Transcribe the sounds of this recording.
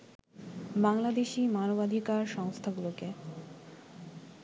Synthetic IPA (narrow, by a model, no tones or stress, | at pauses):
baŋlad̪eʃimanobad̪ʱikaɾʃɔŋst̪ʰaɡuloke